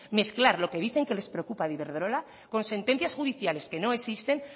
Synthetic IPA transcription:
me̞θklaɾlo̞keð̞iθe̞ŋke̞le̞spɾeo̞kupaðiβe̞ɾðɾo̞la | ko̞nse̞nt̪e̞n̟θjasxuðiθjale̞ske̞no̞e̞sist̪e̞ŋ

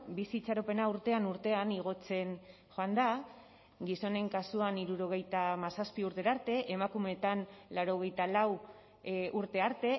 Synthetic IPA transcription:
bisiːt͡saɾope̞nauɾt̪e̞anuɾt̪e̞aniɣ̞o̞t͡se̞n | ʝoand̪a | ɡiso̞ne̞ŋkasuaniɾuɾo̞ɣ̞e̞jt̪amasaspiuɾt̪e̞ɾaɾt̪e̞ʔemakume̞t̪anlaɾo̞ɣ̞e̞jt̪alaw | ʔuɾt̪e̞aɾt̪e̞

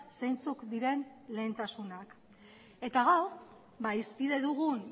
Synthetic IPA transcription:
sejnt͡sukd̪iɾe̞nle̞ːnt̪asunak | e̞t̪aɣ̞aw | baispiðe̞ðuɣun

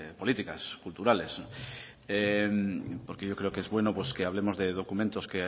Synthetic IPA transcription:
polit̪ika̰skult̪uɾales | empoɾkeʝowkɾeokezβwenopweskeaβ̞lemozðeð̞okumẽnt̪oskea

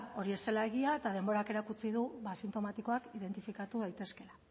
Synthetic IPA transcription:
o̞ɾie̞se̞laeɣiaet̪að̞e̞mbo̞ɾake̞ɾakut͡siðuβasint̪o̞mat̪iko̞akiðe̞nt̪ifikat̪uð̞ajt̪e̞ske̞la

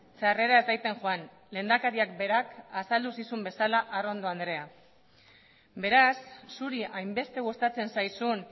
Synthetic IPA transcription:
seare̞ɾaezðajt̪e̞ŋʝoan | le̞ːnd̪akaɾiakbe̞ɾakasald̪usisumbe̞salaʔaro̞nd̪o̞and̪ɾe̞a | be̞ɾasːuɾiʔajmbe̞st̪e̞ɣ̞ust̪at͡se̞nsajsun

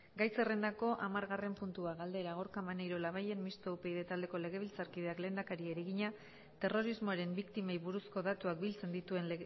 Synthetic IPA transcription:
ɡajse̞re̞nd̪ako̞ʔamaɾɣare̞mpunt̪uaɣald̪e̞ɾaɣoɾkamanejɾo̞laβ̞aje̞nmist̪oupeiðe̞t̪ald̪e̞ko̞le̞ɣ̞e̞βilt͡saɾkiðe̞akle̞ːnd̪akaɾieɾeɣiɲa | t̪e̞ro̞ɾizmoaɾe̞mbikt̪imajβuɾusko̞ðat̪uak̚bilt͡se̞nd̪it̪ue̞nl

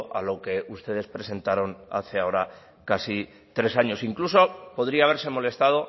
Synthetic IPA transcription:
ʔa̰lo̞ke̞ust̪e̞ð̞e̞spɾe̞se̞nt̪aɾo̞na̰θeao̞ɾa | kasi | t̪ɾe̞saɲo̞siŋkluso̞po̞ð̞ɾiaːβ̞e̞ɾse̞mo̞le̞st̪að̞o̞

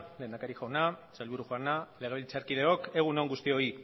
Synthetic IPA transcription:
le̞ːnd̪akaɾixawnasajlβuɾuʝoanale̞ɣ̞e̞βilt͡saɾkið̞e̞o̞ke̞ɣ̞unoŋɡust̪io̞i

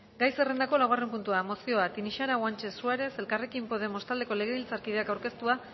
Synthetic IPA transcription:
ɡajse̞re̞nd̪ako̞laware̞mpunt̪uamo̞sio̞at̪iniʃaɾaɣwant͡ʃe̞suaɾe̞se̞lkare̞kimpo̞ð̞e̞mo̞st̪ald̪e̞ko̞le̞ɣeβilt͡saɾkiðe̞akawɾke̞st̪ua

